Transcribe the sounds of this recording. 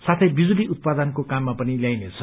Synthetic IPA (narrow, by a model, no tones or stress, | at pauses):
sat̪ʰʌjbid͡zuliut̪̚pad̪ʌnkokamːapʌniljajnet͡sʰʌ